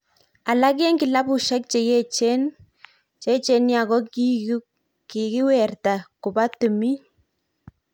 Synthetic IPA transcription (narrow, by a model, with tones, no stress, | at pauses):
a˨la˦k̬e˦ŋkɪ˨la˦bu˨ʃa˦k̚t͡ʃe˨je˦t͡ʃe˦n | t͡ʃe˦t͡ʃe˦nja˨kɔ˦ | ki˨ki˦wɛ˨rta˨kʊ˨ba˦tu˨mi˦